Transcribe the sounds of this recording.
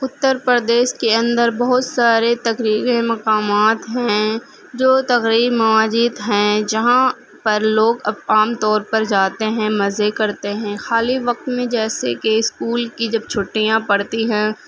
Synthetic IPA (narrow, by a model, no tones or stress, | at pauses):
ʊt̪ːəɾpɾəd̪eːʃkeɐ̃nd̪əɾbɔɦʊt̪saːɾet̪ɐkɾiːɾemɐqaːmaːt̪ɦɛ̃ | d͡ʒoːt̪ɐɣɾiːɾmɐʋaːd͡ʒiːd̪ɦɛ̃d͡ʒɐɦã | pɐɾloːɡɐbaːmt̪ɔːɾpɐɾd͡ʒaːt̪eɦɛ̃mɐzekɐɾt̪eɦɛ̃xaːliʋɐq̚t̪mẽd͡ʒɛːsekeɪskuːlkid͡ʒɐb̚t͡ʃʰʊʈːijãpɐɽt̪iɦɛ̃ː